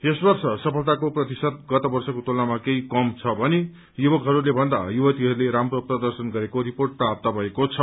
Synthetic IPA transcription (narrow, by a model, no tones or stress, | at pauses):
esbʌrsʌsʌpʰʌlt̪akoprʌt̪isʌd̪̚ɡʌt̪ʌbʌrsʌkot̪olnamakeikʌmt͡sʰʌbʱʌne | jubʌkɦʌɾulebʱʌnd̪ajubʌt̪iɦʌɾuleɾamroprʌd̪ʌrsʌnɡʌɾekoɾiporʈ̚pap̚t̪abʱʌekot͡sʰʌ